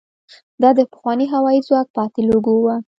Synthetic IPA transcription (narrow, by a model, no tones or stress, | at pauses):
d̪ɑd̪əpə̥xwɑniɦawɑizwɑk̚pɑt̪ɪloɡowa